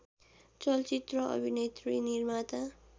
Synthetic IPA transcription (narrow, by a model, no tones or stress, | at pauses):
t͡sʌlt͡sit̪rʌʌ̰bʱinet̪rinirmat̪a